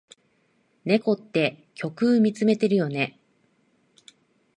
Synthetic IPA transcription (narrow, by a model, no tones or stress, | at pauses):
ne̞ko̞t̪ːe̞kʲo̞kɯːmʲit͡sɨme̞t̪e̞ɾɯ̟jo̞ne̞